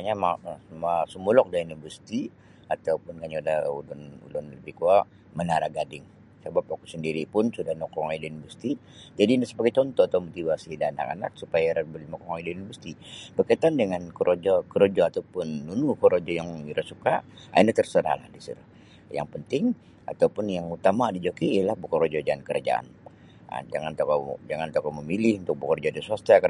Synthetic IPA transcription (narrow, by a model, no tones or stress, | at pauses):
aɲamamasəmulɔk̚dainubərsi̥t̪i | at̪aupʊnkaɲadahulʊnṵlʊnləbihkuaʔ | mənaɾaɡadɪŋ | səbap̚akusəndiɾipʊnsudahnɔkɔŋaidainibərsi̥t̪id͡ʒadinsəbaɡajt͡ʃ̪ɔnt̪ɔat̪awmot̪ivasidaana̰ka̰na̰k̚supajaɾabəlinɔkɔŋaidainubəsi̥t̪ibərkait̪andəŋankəɾʔod͡ʒɔkəɾod͡ʒɔat̪awpʊnːunuhkəɾod͡ʒɔjaŋiɾasukaa̰inaht̪ərsəɾa̰hla̰hdisḭɾa | ja̰ŋpənt̪ɪŋ | a̰t̪awpʊnjaŋut̪amadid͡ʒokiialahbəkɔɾod͡ʒɔd͡ʒaankəɾa̰d͡ʒa̰ʔa̰n | a̰d͡ʒaŋant̪okod͡ʒaŋant̪okɔməmilɪhunt̪ʊk̚bəkəɾod͡ʒɔdisuast̪akə